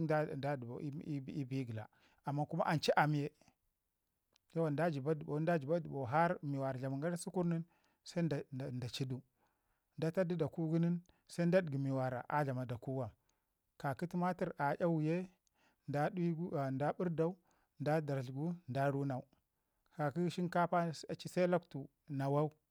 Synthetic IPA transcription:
da˦dba̰˨˦i˦bi˦ɡi˨la̰˨ | a˨mːa˦ku˦ma˦ʔa˨nt͡ʃi˦ʔa˨mi˦je˦ | ja˦wa˨nda˦d͡ʒi˨ba˦dba˨˦nda˦d͡ʒi˨ba˦dbo˨ɦa˦ɾmi˨wa˨ɾa˨ɮa˨ma˨ŋɡa˦ɾa˦si˦ku˦ɾni˦n | sa˦˨nda˨t͡ʃi˦du˦ | nda˦ta˦di˦da˨ku˦ɡu˦ni˦n | sa˦n˦da˦dɡi˨mi˨wa˨ɾa̰˨ʔa˦ɮa˨ma˨da˨ku˦wa˨ | ka˨ki˦ti˦ma˦ti˨ɾa˨ja˦wu˨je˦ | nda˦ɡnda˦bu˦ɾda˦u˦ | nda˦da˨ɾɬɡu˦nda˦ɾu˦na˨u˨ | ka˨ki˦ʃi˦nka˦pa˦a˨t͡ʃi˦sa˦la˦ktu˨ | na˨wa˦u˦

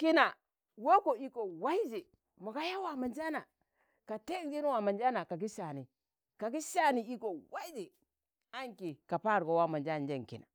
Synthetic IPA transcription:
ki˦na˨ | wo˦ko˨i˦ko˨wa˦i˦d͡ʒi˨ | mo˨ka˦ja˦wa˨ma˨nd͡ʒa˦na˨ | ka˨te˦kd͡ʒi˦n˦wa˨ma˨nd͡ʒa˦na˨ka˨ɡi˦ʃa˨ni˨ | ka˨ɡi˦ʃa˦˨ni˨i˦ko˨wa˦i˦d͡ʒi˨ | a˦ŋki˨ka˨pa˦˨ɾko˨wa˦ma˨nd͡ʒa˦n˨d͡ʒe˦˨ŋ˨kḭ˨na̰˨

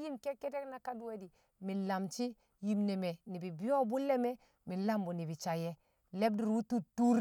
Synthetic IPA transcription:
ji˦nke˦ke˦te˦kna˦ka˦du˦we˦di˨ | mi˨la˨mt͡ʃi˦ | ji˨mne˨me˨ni˨bi˨bi˦jo˦bu˦le˦me˦ | mi˨la˦mbu˨ni˨bi˨t͡ʃa˨jɛ˦ | le˦b̚di˨ɾwu˦tu˦tu˦ɾ

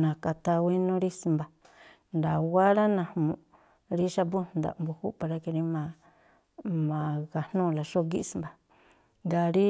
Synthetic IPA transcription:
nã˨ka˧t̪a˧we˦nũ˦ɾi˦smba˨ | nd̪a˨wa˦ɾa˦nã˧˨hmũ˨ | ɾi˦ʃa˧bu˦n˨d̪a̰˨mbu˧hu˦pa˧ɾa˧ki˧ɾi˧mã˨ | mã˨ka˨n̥ũː˦˨la˨˧ʃo˦ɡi˦˧smba˨ | nɡa˧˨ɾi˦

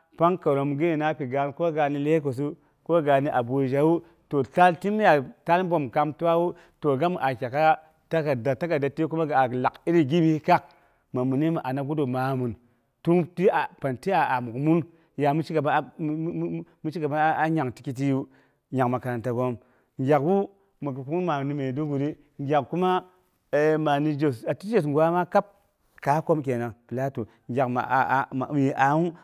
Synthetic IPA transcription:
pa˦ŋka˨ɾo˨mɡi˦i˨na˦pi˨ɡa˨˦n˦ko˦ɡa˨ni˦le˦k̬o˨s̬u˦ | ko˦ɡa˨ni˦ʔa˨bo˨d͡ʒa˨wu˦ | to˨ta˦lti˦m˦ja˨ta˦lbo˨mka˦mtu˦wa˦wu˦ | to˨ɡa˦m˨ʔa˨kʲa˨ka˦ | ta˦ka˨da˨ta˦ka˨da˨ti˦k̬u˦ma˦ɡa˨a˨la˨ki˦ɾi˦ɡi˦bi˦ka˦k̚ | ma˨mu˨ni˦ma˨ʔa˨na˨ɡu˦do˨ma˨˦mu˨n | tu˦m˦ti˦a˨pa˨nti˦a˨a˨mu˨kmu˦n | ja˨mu˦t͡ʃi˦ka˨ba˦ | mu˦t͡ʃi˦ka˨ma˦a˦ɲa˨ŋti̥˦ki˦t̬i˦ju˦ | ɲa˨kma˨ka˨ɾa˨nta˨ɡo˦m | ŋɡʲa˨kwu˦ | ma˨ku˦mu˦ma˨ni˨me˨du˦ɡu˨ɾi˦ | ŋɡʲa˨kku˦ma˦ | e˨ma˨ni˦d͡ʒe˨sa˨ti˦d͡ʒe˦˨s̬ŋɡʷa˦ma˦ka˦p̚ | ka˨˦ko˦mke˨na˨ŋpi˨la˦tu˨ | ŋɡʲa˨kma̰˨ma̰˨ji˨ʔa˨˦u˦

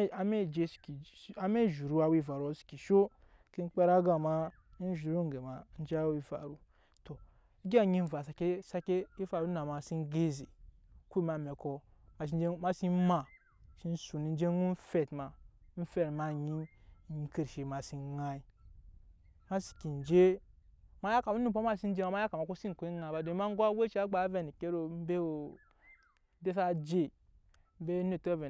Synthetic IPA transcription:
a˨me˦˨d͡ʒe˦si̥˨ki˨ | a˦me˦˨ʒu˨ɾu˦a˨wi˦˨va˨ɾu˦a˦si̥˨ki˨ʃo˦ | ki˦n˦k͡pe˦ɾa˦ɡa˨ma˦ | n˦ʒu˨ɾu˦ŋ˨ɡe˨ma˨˦n̩˦d͡ʒa˦wi˦va̰˨ɾu˨ | to˨ | i˦ɡʲa˦˨ɲi˦n˦˨va˨s̬a˨ke˦sa˦ke˦i˦fa˨ɾu˦na˨ma˨si˦nɡe˦ze˨ | ku˦i˦ma˨me˨ko˦ | ma˨ʃi˦d͡ʒe˦ma˦si˦ma˨ | ʃi˦n˦su˨ni˨˦n˦d͡ʒe˦ŋu˦n˦fe˨tma˨˦n̩˦fe˨tma˦˨ɲi˦n˨ɲi˦ki˨ɾʃi˨ma˨si˦nŋa˦i˦ | ma˦si̥˨ki˨n˨d͡ʒe˦ | ma˦ja˦ka˨u˦ni˦˨po˦ma˦˨si˦n˦d͡ʒe˦ma˨ma˦a˦ka˨ma˨ku˦si˦n˨ku˨˦i˦ŋa˨˦ba˨do˨˦ma˦ŋ˦ɡʷa˦we˦t͡ʃi˦a˦ɡ͡ba˨˦ve˨ni˨ke˦ɾo˨˦m̩˦be˦o˨˦ | de˦sa˦d͡ʒe˦˨ | m̩˦be˦ni˦˨to˦ve˨

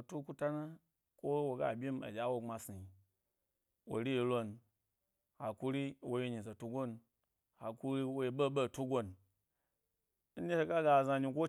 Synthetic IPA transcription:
o˨tu˦ku˦ta˦na˦ | ko˦wo˨ɡa̰˨bʲi˦m˦a̰˨d͡ʒʲa˨˦wo˦˧ŋ͡ma˨si˨ji˨ | wo̰˨ɾi˦je˨lo˦n | ha˨ku˦ɾi˦wo˨ji˦ɲi˨za˨tu˦ɡo˦n | ha˨ku˦ɾi˦wo˦je˨ɓə˦ɓe˦˨tu˦ɡʷo˦n | n̩˦ne˦ʃe˧ka˦ɡa˨za˧ɲi˧ko˦

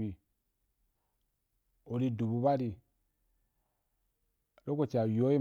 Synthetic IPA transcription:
i˨ | o˨ɾi˦du˨bu˨ba˦ɾi˨ | lo˦ko˦t͡ʃa˨jo˦i˦

